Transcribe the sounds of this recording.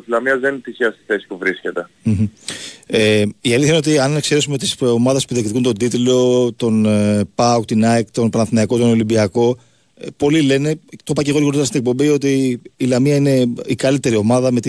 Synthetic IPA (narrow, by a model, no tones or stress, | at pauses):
ilɐmiɐzðenit̪içiɐst̪i̥sθesi̥puvɾisce̞t̪e̞ | m̩m̩ | eiɐliθçɐineot̪iɐnekseɾe̞sumet̪isomɐðespuðekt̪ikunt̪o̞d̪it̪ilo̞t̪o̞npɐukt̪inɐjkt̪onpɐnɐnθinɐɐko̞t̪o̞no̞limbiɐko̞ | po̞lile̞ne̞t̪o̞pɐce̞ɣo̞ɾiɣoot̪ɐst̪ine̞k̚po̞mbio̞t̪̬iːlɐmiɐine̞ikɐlit̪e̞ɾio̞mɐðɐme̞t̪